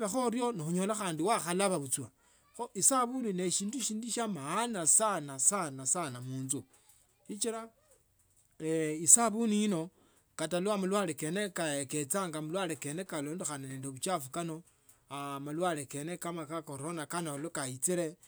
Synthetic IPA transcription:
βexo̞ɾjo̞nixuɲoːlaxaːndiwaxalaβaβut͡swa | xoʔisaβunineʃiːnduʃiːnduʃamaːnasanasanasanamuːnzu | ʃit͡ʃiɾa | eisaβuniːno̞ | katalwamulwaleke̞nekaeke̞t͡saŋɡamulwaleke̞ne̞kalo̞ːndoxananeːndoβut͡ʃafukano̞ | amalwaleke̞nekamakakoɾo̞nakanaolokait͡siɾe

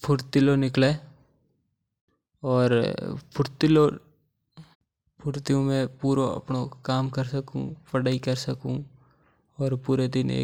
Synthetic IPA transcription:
pʰʊɾt̪ɪlonɪkleː | ɔːɾpʰʊɾt̪ɪlo | pʰʊɾt̪ijõmẽpuːɾoɐ̰pnokaːmkɐɾsɐkṵ̃pɐɽaːikɐɾsɐkũ | ɔːɾpuːɾed̪ɪnḛː

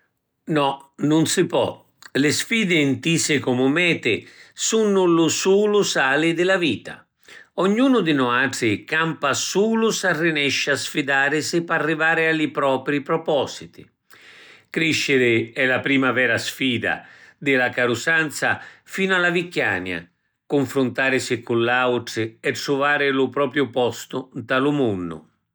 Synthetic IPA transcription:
nɔnʊnsɪpɔ̰ | lɪsfiːd̪ɪːnt̪isɪkɔmʊmɛːt̪ɪsunːʊlʊsuːlʊsaːlɪd̪ɪlaviːt̪a̰ | ɔɲːuːnʊd̪ɪnʊaːʈɾɪkampasuːlʊsarːɪnɛʃːasfid̪aːɾɪsɪpːarːivaːɾɪalɪpɾɔːpɾipɾɔpɔsit̪ḭ | kɾiʃːɪɾɪɛlapɾiːmavɛːɾasfiːd̪a̰d̪ɪlakaɾʊsant̪safiːnʊalavikːja̰ːnja̰ | kʊɱfɾʊnt̪aːɾɪsɪkulːawʈɾɪɛʈːɾuvaːɾɪlʊpɾɔːpɾjʊpɔst̪ʊnt̪alʊmunːʊ̰

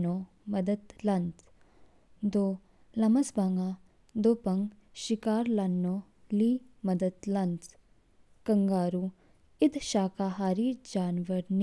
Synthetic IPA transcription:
noː | mɐd̪əd̪lɐnt̪ | d̪oː | lɐmɐsbaŋɡaː | d̪oːpɐŋɡ | ʃikaːɾlanːoː | liːmɐd̪əd̪lɐnt̪ | kɐŋɡaːɾuː | ɪd̪ʃaːkaːɦaːɾiːɾd͡ʒaːnʋəɾn

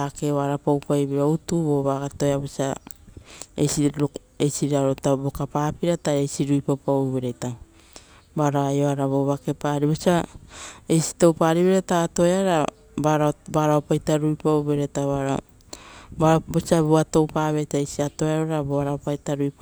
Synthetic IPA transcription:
akeβaɾapawpajβiɾoutuboβaɡato̞jabosia | ḛsi | esiɾaɾotabokapaːpiɾataesiɾujpapawβeɾeta | baɾaajo̞aɾaβoβake̞paːɾibosia | ejsi̥to̞wpaɾiβeɾetato̞eaɾa | baɾabaɾaopajtaɾujpawbeɾetaβaɾa | babosiaboato̞wpaβetaesiato̞eaɾoɾaboaɾaopajtaɾuip

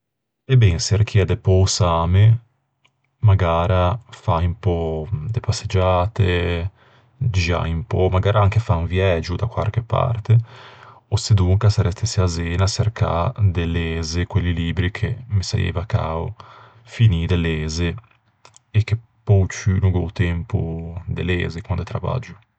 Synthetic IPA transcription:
ebɛnserk̟ʰiad̪epɔwsaːme | maɡaːɾafaimpɔd̪epasːed͡ʒaːt̪e | d͡ʒa̰impɔmaɡaːɾʔaaŋkefaunvjɛːd͡ʒud̪akwa̰ɾkepa̰rt̪e | osed̪uŋkasaɾɛst̪eseazeːnaserka̰d̪elezekwelːiliːbɾikʰemisa̰jḛːvaka̰o | finid̪elːeːzeː | kːepːɔwt͡ʃynuɡɔwt̪ɛmpṵd̪ḛlḛːzekwand̪et̪ɾava̰d͡ʒu

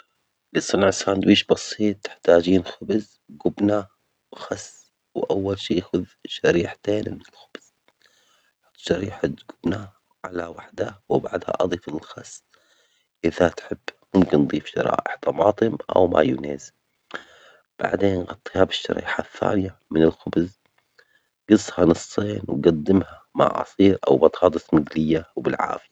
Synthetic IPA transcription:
lisˤɑnʕsaːnd̪wiːʃbɑsˤiːt̪̚ˤːɪ̥ħt̪aːd͡ʒiːnxʊbz | ɡʊbna | wxɑs | wʔawːalʃiːxʊðʃaɾiːħt̪eːnmɪnɪlxʊb̥z̥ | t̪ʃɑɾiːħat̪ɡʊbna | ʕalawaħd̪awbaʕd̪ha̰ʔɑd̪ˤiːfɪlxɑsː | ʔɪðat̪ħɪbːmʊmkɪnd̪ˤiːfʃɑ̰ɾˤɑ̰ːʔɪħt̪ɑmɑːt̪ˤɨmʔa̰wma̰jʊ̰neːz | b̥a̰ʕd̪eːnɣɑt̪ˤːiːhabɪʃːa̰ɾḭːħaθːa̰ːnɪjamɪnɪlxʊbz | ɡɨsːhɑnɨsˤːeːnwɡad̪ːɪmhama̰ʕʔɑ̰sˤiːɾʔa̰wbɑt̪ˤhɑːd̪ˤɨsmɪɡlɪjːawbɪlʕa̰ːfɪja

